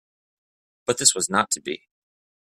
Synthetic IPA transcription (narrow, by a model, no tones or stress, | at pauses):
b̥ʌt̪̚ðɪswʌznətʰɨbḭ